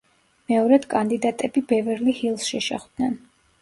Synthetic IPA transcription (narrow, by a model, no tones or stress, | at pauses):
mɛɔɾɛd̪̥kʼand̪id̪at̪ʼɛbibɛvɛɾlihilˠsʃɛʃɛχd̪nɛn